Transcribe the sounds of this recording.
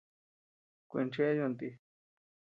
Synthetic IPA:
kʷḛ̃˧nt͡ʃe˦jo˧nt̪i˧

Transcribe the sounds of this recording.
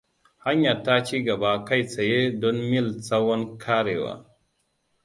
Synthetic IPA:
ha˦ɲa˨ta˦t͡ʃi˦ɡa˨ba˨ka˦jt͡sa˨je˦dɔ˦nmi˦lt͡sa˦wa˦nkʰa˦ɾe˨wa̰˨

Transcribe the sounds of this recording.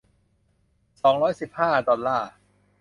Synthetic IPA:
sɔː˩˦ŋɾɔː˦˥jsi˨˩p̚haː˥˩dɔ˧nlːaː˥˩

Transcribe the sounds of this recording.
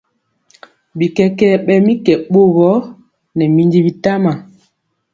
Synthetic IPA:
bi˨kɛ˦kɛ˦ɓɛ˦mi˦kɛ˨ɓo˦ɣɔ˦ | nɛ˨mi˦ndi˦bi˦ta˦ma˨

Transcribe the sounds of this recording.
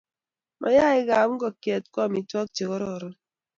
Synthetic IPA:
mʔa̰˨ja˦ɪ˦ɡa˨m̩˦ɡɔ˨kjɛ˨t̚kɔ˦˨mi˨twɔ˦k̚t͡ʃe˨kɔ˦ɾɔ˦˨ɾɔ˦

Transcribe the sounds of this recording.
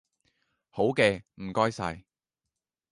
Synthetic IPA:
ho˨˥wkɛː˧m̩˨˩kɔː˥jsɐ̰˧j

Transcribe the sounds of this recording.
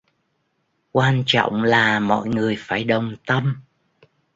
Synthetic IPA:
kwaː˧nt͡ɕɔ̰˧˨wŋ͡mlaː˨˩mɔ̰˧˨jŋɨ˨˩əjfaː˧˩jɗə˨˩wŋ͡mt̪ə˧m

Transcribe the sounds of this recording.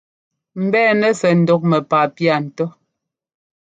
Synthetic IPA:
m̩˨bɛː˦˨nɛ˦sɛ˨n̩˨dɔ˦k̚mɛ˨pa˨pja˨n̩˨tɔ˦

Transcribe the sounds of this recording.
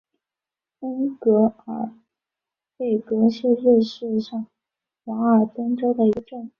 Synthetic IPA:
i˥ŋkɤ˧˥ə˞˨˩ | pe˥˩ɪkɤ˧˥ʂ̩˥˧ɻɛ˥˧ʂɻ̩˥˧ʂɑ˥˩ŋ | xa˧˥ə˞˨˩t̪ə˥ŋʈ͡ʂo˥ʊd̪ə˨i˧˥ɡə˧ʈ͡ʂɤ˥˩ŋ

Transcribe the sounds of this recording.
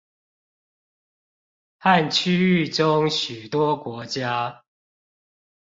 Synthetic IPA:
ha˥˨nt͡ɕʰy˦y˥˨ʈ͡ʂʊ˦ŋɕy˨˩t̪wɔ˦kwɔ˨˦t͡ɕja˦

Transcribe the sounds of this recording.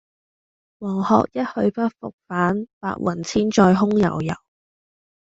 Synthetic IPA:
wɔː˨˩ŋhɔ̰ː˨k̚jɐ˥t̚hɵ˧ɥpɐ˥t̚fʊ̰˨k̚faː˨˥npa̰ː˧t̚wʔɐ̰˨˩nt͡sʰiː˥nt͡ʃɔː˧jɦʊ˥ŋjɐ̰˨˩wjɐ̰˨˩w

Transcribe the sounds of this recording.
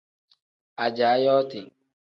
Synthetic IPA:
a˨d͡ʒa˨˦jɔ˦tɪ˨ŋ

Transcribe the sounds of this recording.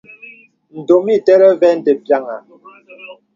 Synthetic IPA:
n̩˨do˨mi˦˨tɛ˦ɾɛ˦vɛ˦n̩˦de˨pja˦˨ŋa˨

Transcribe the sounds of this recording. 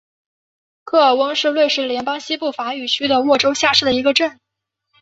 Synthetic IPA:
kʰɤ˥˩ə˞˨˩wɤ˥ŋʂɻ̩˥˧lwe˥˧ɪʂɻ̩˥˩ljɛ˧˥npɑ˥ŋɕi˥pu˥˩fa˧˥y˨˩t͡ɕʰy˥d̪ə˨wɔ˥˩ʈ͡ʂo˥ʊɕja˥˧ʂɻ̩˥˩d̪ə˩i˧˥ɡə˧ʈ͡ʂə˥˩n

